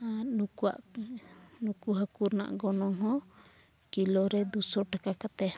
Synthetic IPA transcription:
anukua̰ʔ | nukuɦakuɾna̰ʔɡɔnɔŋɦɔ̃ | kilɔɾɛd̪usɔʈakakat̪ɛ

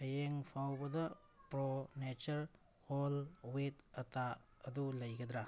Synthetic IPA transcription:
ɐjeŋpʰawbɐdɐ | pɾonet͡ʃɐɾ | holwetɐtaɐdulɐjɡɐd̪ɾa

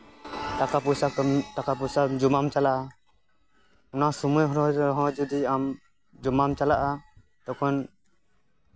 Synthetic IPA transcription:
ʈakapusaʈakapusad͡ʒumamt͡ʃalaʔa | ɔnasɔmujɦɾɔɾɔɦɔ̃d͡ʒud̪iam | d͡ʒɔmamt͡ʃalaʔa | t̪ɔkʰɔn

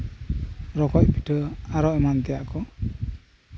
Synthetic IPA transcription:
ɾɔkɔc̚piʈʰɯaɾɔʔɛmant̪ɛjaʔkɔ

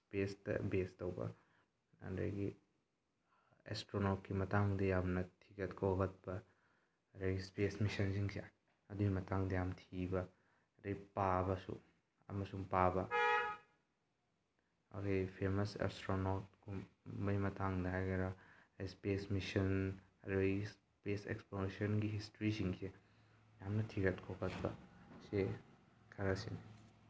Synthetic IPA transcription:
spestɐ̰bestɐwbɐ̰ | ɐ̰ndɐ̰jɡi | ḛstɾonot̚kimɐtaŋdɐjamnɐtʰikɐtkʰowɡɐt̚bɐ | ɐɾɐɡispesmisɐnsiŋsʰia | ɐduɡimɐtʰaŋdɐjamtʰibɐ | ɾɐjpabɐsṵ | ɐ̰mɐsuŋpabɐ | ɐ̰kʰɐjpʰemɐsa̰stɾonot̚ɡumbɐjmɐtʰaŋdɐɦajɡɐɾɐspesmisɐnɐ̰ɾus | pesḛksplonisɐnɡiɦistɾisiŋse | jamnɐtʰiɾɐtkʰokʰɐt̚bɐ̰se | kʰɐɾɐsḭni

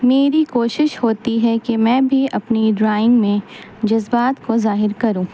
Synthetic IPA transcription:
meːɾikoːʃɪʃhoːt̪iɦɛkemɛ̃ːbʱiɐpniɖɾaːɪ̃ŋɡmẽ | d͡ʒɐzbaːt̪kozaːɦɪɾkɐɾũː

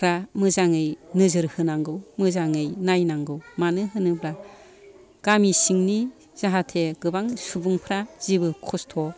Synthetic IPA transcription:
ɾamɯzaŋɯjnɯzɯɾhɯnaŋɡɯwmɯzaŋɯjnajnaŋɡɯwmanɯɦɯnɯbɾa | ɡ̥amisiŋni | z̥aɦatʰeɡɯbaŋsubuŋpʰɾaz̥ibɯkʰɔstʰɔ

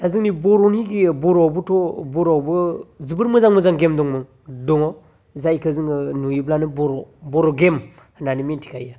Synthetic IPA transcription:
azɯŋnibɔɾoniɡibɔɾɔbɯtɔbɔɾɔbɯzibɯɾmɯzaŋmɯzaŋɡemdɔŋmɔŋ | dɔŋɔ | zajkɯzɯŋɯnujiblanɯbɔɾɔbɔɾɔɡem | hananimintʰi̥kʰaja

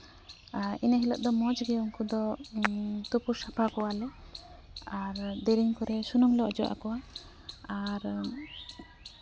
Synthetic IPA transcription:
inəɦilɔʔ̚d̪ɔmɔd͡ʒɡeuŋkud̪ɔ | t̪upuɾsapʰakɔwalɛ | aɾd̪eɾiŋkɔɾɛsunumlɔɔd͡ʒɔ̰ʔa̰kɔwa | aɾ

